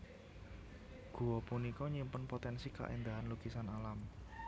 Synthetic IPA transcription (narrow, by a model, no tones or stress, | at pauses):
ɡ̥ṳwɔpunikɔɲimpʊnpot̪ɛnsika̰ʔend̪aɦanlukisanalam